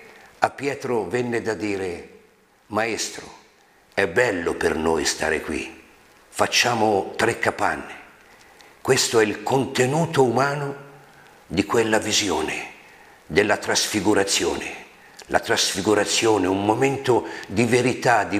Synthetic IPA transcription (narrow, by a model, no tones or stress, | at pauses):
apːjɛːt̪ɾovɛnːed̪ad̪iːɾe | maest̪ɾo̰ | ɛbːɛlːʊpernojst̪a̰ːɾḛkwḭ | fat͡ʃːaːmʊt̪ɾekːapa̰nːe | kwest̪oɛilkont̪enuːt̪oumaːno | d̪ikwelːavizjoːne | d̪ɪlːat̪ɾasfiɡuɾat̪sːjoːnɪ | lʔa̰t̪ɾasfiɡuɾat̪sːjoːneumːomɛnt̪ʊd̪iveɾit̪ad̪i